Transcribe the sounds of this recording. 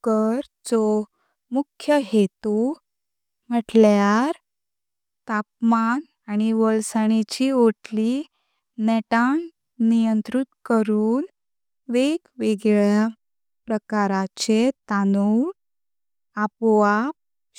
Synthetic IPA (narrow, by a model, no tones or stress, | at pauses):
kəɾ | t͡sɔ | mukʰːjəɦet̪u | m̤əʈljaɾ | t̪ap̚man | añiʋəlsaɽ̃it͡ɕioʈli | nɛʈan | nijənt̪ɾit̪kəɾuːn | ʋeɡʋeɡɭja | pɾəkaɾat͡ɕet̪anu | apʋap̚